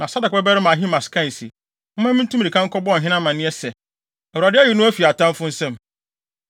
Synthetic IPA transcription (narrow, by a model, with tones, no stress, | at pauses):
nã˨sa˦da˨kbɛ˦bɛ˦ɾɪ˦mã˨ɦi˦ma˨skʰã˦˨n˨sḭ˨ | ɔ˦mã˦mĩ˦n˦tũ˦m˦˨di˨kʰã˦ŋ̩˦kʰɔ˦bɔ˦˨ɦɪ̃˦nã˦mã˨nɪ̃˦ɛ˦sɛ˨ | ɛ˨wa˨dɪ˦ɛ˦jɪ˨nʊ̃˦æ˦fi˨a˨tʰã˦m˦fʊ̃˦n̩˦sɛ̃˦˨m